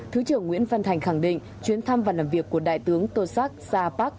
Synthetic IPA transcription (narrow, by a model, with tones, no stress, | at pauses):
t̪ʰɨ˨˦t͡ɕɨ˧˩əŋːwḭ˧˥ənfə˧˩nt̪ʰa˨˩jŋ̟xa˧˩ŋɗḭ̈˧˨ŋ̟ | t͡ɕwi˨˦ənt̪ʰa˧mvaː˨˩laː˨˩mvi˨˩ək̚ːu˧˩əɗa̰ː˧˨jt̪ɨ˨˦əŋt̪o˧sa˦˥k̚zaː˧paː˦˥k̚